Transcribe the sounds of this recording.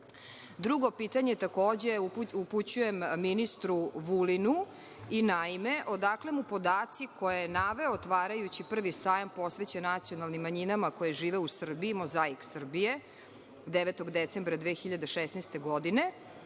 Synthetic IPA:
d̪ɾuɡo̞piːt̪aɲeet̪ako̞ːd͡ʑeuuput͡ɕujemminist̪ɾuʋulinu | inaime̞ʔo̞d̪akle̞mupo̞d̪aːt̪sikʰo̞jenaʋeoːt̪ʋaːɾajut͡ɕipr̩ʋisaːjampo̞sʋet͡ɕenat̪sijo̞nalˠnimːaɲinamako̞jeʒiːʋeusr̩biːmo̞zaiksr̩bije | d̪eʋet̪oɡd̪et̪se̞mbɾad̪ʋeːxiʎad̪eʃesnɛst̪e̞ɡo̞d̪ine̞

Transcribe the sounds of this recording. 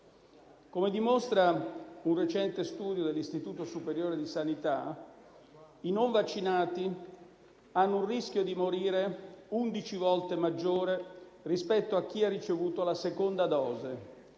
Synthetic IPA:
komed̪imost̪ɾaunret͡ʃɛnt̪est̪uːd̪jod̪elːist̪it̪uːt̪osupeɾjoːɾed̪isanit̪a | inoɱvat͡ʃːinaːt̪i | anːounriskjod̪imoɾiːɾeund̪it͡ʃivɔlt̪emad͡ʒːoːɾe | rispɛt̪ːoak̟ːiarːit͡ʃevuːt̪olasekond̪ad̪ɔːze

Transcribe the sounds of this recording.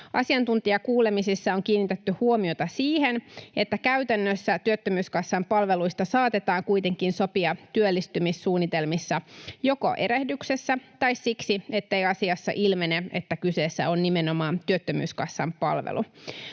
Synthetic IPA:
ʔɑ̰siɑnt̪unt̪iɑkuːle̞misisːɑoŋkiːnːit̪et̪ːyhuomiot̪ɑsiːhene̞t̪ːækæyt̪ænːøsːæt̪yøt̪ːømyːskɑsːɑmpɑlʋeluist̪ɑsɑːt̪et̪ɑːŋkujt̪e̞ŋkinso̞piɑt̪yølːist̪ymisːuːnːit̪e̞lmisːɑjo̞ko̞̰ʔe̞ɾehdyksesːæt̪ɑissiksie̞t̪ːe̞jɑsiɑsːɑ̰ʔilmeneḛt̪ːækyseːsːæo̞nnimeno̞mɑːnt̪yøt̪ːømy̰ːskɑsːɑmpɑ̰lʋḛlṵ

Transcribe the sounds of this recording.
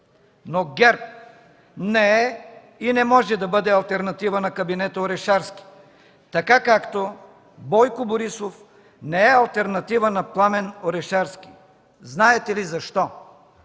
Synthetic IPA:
noɡɛɾp̚ | nɛɛ | inɛmɔʒɛd̪ɐbɤd̪ɛɐlˠt̪ɛɾnɐt̪ivənɐkɐbinɛt̪əoɾɛʃaɾsk̟i̥ | t̪ɐkakakt̪o | bɔjkʊboɾisof | nɛɛɐlˠt̪ɛɾnɐt̪ivənɐplˠamɛnoɾɛʃaɾsk̟i̥ | znaɛt̪ɛlizɐʃt̪ɔ

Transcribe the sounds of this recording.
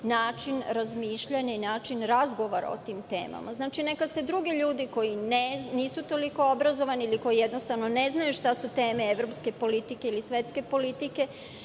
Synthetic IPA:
naːt͡ʃinɾazmiːʃʎaɲainaːt͡ʃinɾazɡo̞ʋoɾa̰o̰t̪iːmt̪e̞̰ːma̰maznaːt͡ʃine̞kase̞d̪ɾuɡiʎuːd̪iko̞jineniːsut̪o̞liko̞obɾazo̞ʋaniiliko̞jijed̪nost̪aʋno̞ne̞znajuʃt̪asut̪e̞ːmeeʋɾo̞pske̞po̞lit̪ike̞ilisʋe̞t̪ske̞po̞lit̪ike̞

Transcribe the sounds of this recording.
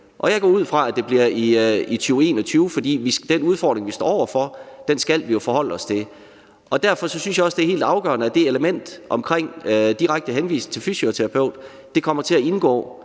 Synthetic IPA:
ʔɒ̽jɑ̈ɪɡɒ̰ːuð̞̰ˠfʁɑ̈æd̥e̝b̥liɐiit͡sʰyːʊe̝̰ːnɒt͡sʰyːʊfɒ̽d̥ḭːʋisd̥enuð̞ˠfɒ̰ːd̥ʁeŋʋisd̥ɔ̰ːɒ̰ʊ̰ɐfɒ̽d̥ensɡ̥æl̰ʋijo̝fɒ̽hɒ̽l̰əɒ̽st͡sʰe̝ | ʔɒ̽d̥æɐ̰fɒ̽sɒ̽synsjɑ̈ɒ̽sd̥e̝æɐhe̝̰ld̥ɑ̈ʊɡ̥ɶ̰ɐnəæd̥e̝eləmen̰d̥ʔɒ̽mkʰʁeŋ̰d̥iʁaɡ̥̚d̥əɦenʋḭːst͡sʰe̝lfysiot͡sʰeʁɑ̈pʰeʊ̰d̥ː | e̝kʰɒ̽m̰ɐt͡sʰe̝æe̝nɡ̥ɔ̰ː

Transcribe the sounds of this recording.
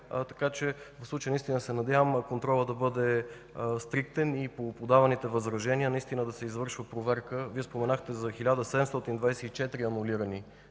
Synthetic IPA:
t̪ɐ̥kat͡ʃɛvəfslˠut͡ʃəjənist̪inəsɛnɐd̪javəmkont̪ɾɔlˠəd̪ɐbɤd̪ɛ | st̪ɾik̚t̪ɛnipopod̪avɐnit̪ɛvɐzɾɐʒɛniənɐist̪inəd̪ɐsɛizvɤɾʃvəpɾovɛɾkəviɛspomɛnaxt̪ɛzɐxilʲad̪əsɛd̪ɛmst̪ɔt̪ind̪vajsɛit͡ʃɛt̪ɾiɐnuliɾəni

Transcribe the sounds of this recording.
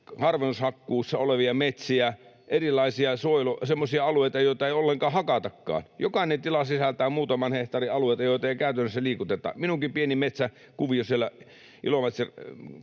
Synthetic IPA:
hɑrʋenːushɑkːuːsːɑoleʋiɑmet̪siæ | ʔerilˑɑisiɑsoilosemːosiɑɑlueˑit̪ɑjoˑit̪ɑeˑiolːeŋkɑːhɑkɑt̪ɑkːɑ̰ːnjokɑinent̪ilɑsisælt̪æːmmuːt̪ɑmɑnheht̪ɑriɑlueˑit̪ɑjoˑit̪ɑeikæˑyt̪ænːsːæliːkut̪et̪ˑɑ̰ːminuŋkipienimet̪sæ | kuʋiosielːæ̰ | ʔḭlomɑt̪se

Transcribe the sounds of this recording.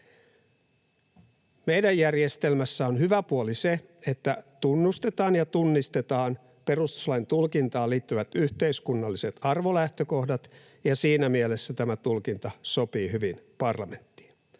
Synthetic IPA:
me̞jdæjːærje̞st̪e̞lmæsːæonhyʋæpuolise̞et̪ːæt̪unːust̪e̞t̪ɑːnjɑt̪unːist̪e̞t̪ɑːn | pe̞rust̪u̥slɑjint̪ulkint̪ɑːliːt̪ːyʋæt̪yht̪e̞iskunːɑlːise̞t̪ɑrʋo̞læht̪øko̞hdɑt̪ | jɑsiːnæmiele̞sːæt̪æmæt̪ulkint̪ɑso̞piːɦyʋinpɑrlɑme̞nt̪ːi̥ːn

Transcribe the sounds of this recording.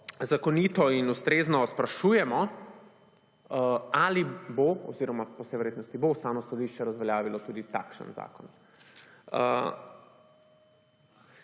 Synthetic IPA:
zakɔniːt̪ɔinust̪ɾeːznɔspɾaʃuːjɛmɔ | aliboɔ̰ziːɾɔmapɔsɛjʋɛɾjet̪nɔst̪iboust̪aːnɔsɔd̪iʃt͡ʃɛɾazʋɛljaːʋilɔt̪ud̪it̪a̰kʃə̰nza̰ːkɔn | ə̰

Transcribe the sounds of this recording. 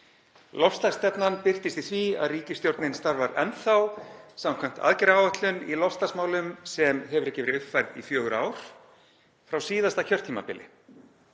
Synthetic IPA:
lɔfst̪ast̪ɛpnanpɪr̥t̪ɪst̪ɪθvia̰ðriːcɪst̪jowɾt̪nɪnst̪aɾvaɾɛnθawsamkʰvam̥t̪a̰ðcɛɾaːwaht̪lʏnilɔfst̪asmaːwlʏmsɛmhɛvʏɾɛhcːɪvɪɾʏhpfajɾðḭfjœːɣʏɾaːwɾ̥ | fɾawsiːðast̪acʰœr̥t̪ʰiːma̰pɪlːɪ̰

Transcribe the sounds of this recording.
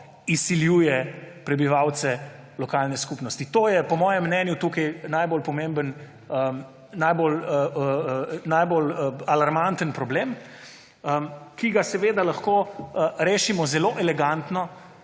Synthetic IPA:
isiljuːjɛpɾɛbiʋawt̪sɛ | lɔkaːlnɛskupnɔst̪it̪oːjɛpɔmɔːjɛmːnɛnjut̪uːkɐjnajbolpɔmembən | ə | najbolə | najbolalaɾmant̪ənpɾɔbleːm | əkiɡasɛʋeːd̪alaxkoːɾeːʃimɔzɛloːʔɛlɛɡant̪nɔ

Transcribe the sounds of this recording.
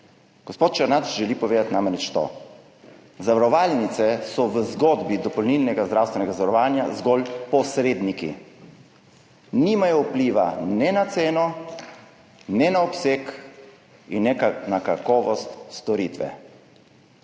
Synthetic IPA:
ɡ̥ospoːt̪̚t͡ʃaɾnat̪ʒɛlipɔʋeːd̪at̪namɛnɛt͡ʃt̪o̰ | zaʋaɾɔʋaːlnit̪sɛsɔʋəzɡɔd̪bid̪ɔpɔlnilnɛɡazd̪ɾawst̪ʋɛnɛɡazaʋaɾɔʋaːnja̰zɡɔlpɔsɾeːd̪nikḭ | nimajɔupliːʋa̰nɛnat̪seːnɔ | nɛnaɔpsek | inːɛnakakɔːʋɔst̪st̪ɔɾit̪ʋɛ̰

